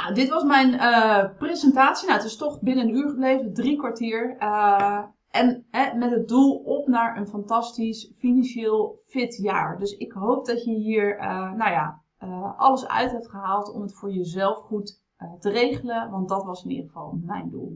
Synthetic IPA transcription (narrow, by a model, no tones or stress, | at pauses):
nadɪtʋɑsmɛjnəprezəntaːtsinawətɪstɔχbɪnəənyːɹχəblejvəndrikʋaɹtɪːɹ | ʔɛnɦɛmɛtɦət̚dulˠɔpnaːɹənfɑntɑstisfinɑnʃɪːlˠfɪtja̰ːɹdɵsɪkɦowp̚dɔtjəɦiːɹnawja̰ | əʔɑləsœ̰ɥtɦɛp̚tχəɦaːlˠtɔ̰mətfʊːɹjəzɛlˠfχut | tərejχələʋɑnt̚dɑtʋɑsɪnḭdərχəv̥ɑ̰lˠmɛ̰jndṵlˠ